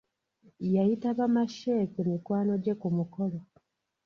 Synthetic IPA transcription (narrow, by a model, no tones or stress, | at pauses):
jaitaβamaʃeːkumikwaːno̞ɟekumukolo